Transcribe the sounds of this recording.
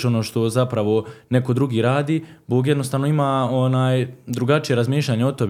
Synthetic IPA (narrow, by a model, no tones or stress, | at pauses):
ʃo̞noːʃt̪o̞zapɾaʋo̞ne̞ko̞d̪ɾuɡiːɾaːd̪iːboːɡjed̪no̞st̪aːʋno̞imaːonaːjd̪ɾuɡat͡ʃijeɾazmiːʃʎʲaɲeot̪ob